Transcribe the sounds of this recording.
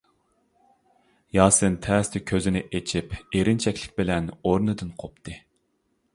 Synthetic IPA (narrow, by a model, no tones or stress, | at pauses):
jɑːsɨnt̪ʰɛːst̪ʰɪkʲʰøzɪnɪʔet͡ʃʰipeɾɪnt͡ʃʰɛkʲlɪ̥kʲbɪlɛnoɾnɨd̪ɨnqʰop̚t̪ʰɨ